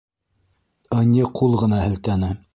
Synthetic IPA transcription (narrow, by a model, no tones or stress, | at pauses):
ɤ̆nʲiqʰulˠʁɤ̆nɑhɘ̆lt̪ænɘ